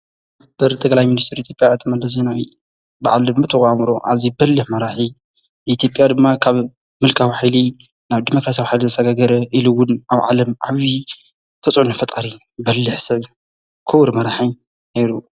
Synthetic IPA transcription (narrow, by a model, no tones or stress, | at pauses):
b̥ɐɾt̪ʰʼɐkʼlajminist̪ʰɨɾit̪ʰjopʼjaʕɨt̪ʰɨmɐlɐs̬enawi | ba̰ʕalɨmɨt̪ʰɨxamɾoʔazibɐlːɨħmɐɾaħi | it̪ʰjo̞pʼjad̪ɨmːakʰaβ | mɨlkʰawħajli | naβd̪imokɾasijawħajlizɐsɐɡaɡɐɾɐʔiluwʊnaβʕa̰lɐmʕa̰βi | t̪ʰɐt͡sʼʕunɐfɐt̪ʼaɾi | bɐlːɨħsɐβ | kʰɨwɾmɐɾaħi | nejɾu